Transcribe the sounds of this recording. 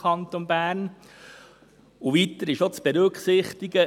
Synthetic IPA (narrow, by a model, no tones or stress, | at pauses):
ɑnt̪onbæːɾn | uʋit̪əɾɪʃot͡sb̥eɾɵkχsɪχt̪iɡə